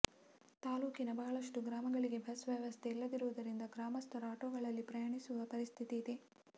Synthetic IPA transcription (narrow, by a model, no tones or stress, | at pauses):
t̪aːluːkinɐbɐɦɐɭɐʂʈuɡɾaːmɐɡɐɭiɡe̞bʱɐsʋjɐʋɐst̪ʰeilːɐd̪iɾuʋud̪ɐɾind̪ɐɡɾaːmɐst̪ʰɐɾaːʈoːɡɐɭɐlːipɾɐjɐɳisuʋɐpɐɾist̪ʰit̪iːd̪e̞